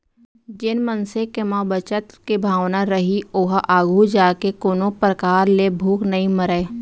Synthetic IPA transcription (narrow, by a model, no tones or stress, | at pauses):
d͡ʒɪnmənsekemaːbət͡ʃət̪kebʱaːʋnaɾəɦioɦʔaːɡʱud͡ʒaːkekoːnopɾəkaːɾlebʱuːknɐɦĩməɾeː